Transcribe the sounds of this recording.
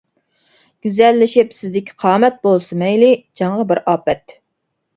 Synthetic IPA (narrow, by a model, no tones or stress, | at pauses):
ɡ̥ʲyzɛlːɪʃɪpsɪzd̪ɪkʲʰqʰɑːmɛt̪̚bolˠsɨmɛjlɪd͡ʒɑŋʁɑbɪɾɑːpɛt̪